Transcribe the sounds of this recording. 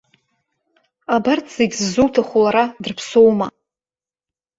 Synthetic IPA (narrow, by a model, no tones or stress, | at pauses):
abartʰz̥eɡʲzzuwtʰaχʷulaɾadɨrpʰsowma